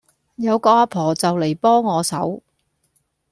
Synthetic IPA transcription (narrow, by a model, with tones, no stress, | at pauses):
jɐ˨˧wkɔː˧aː˧pʰɔː˨˩t͡sɐ˨wle˨˩jpɔː˥ŋːɔː˨˧sɐ˨˥w